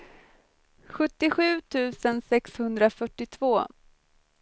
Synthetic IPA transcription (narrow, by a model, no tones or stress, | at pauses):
ɧɵt̪ːɪɧʉ̟ːt̪ʰʉ̟ːsənsɛkshɵnd̪ɾafœʈːɪt̪ʰv̥oː